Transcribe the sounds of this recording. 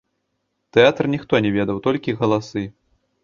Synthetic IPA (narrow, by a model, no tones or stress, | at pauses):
t̪ɛat̪rnʲixt̪ɔnʲɛvʲɛd̪ɐwt̪ɔlʲkʲiɣɐlˠasɨ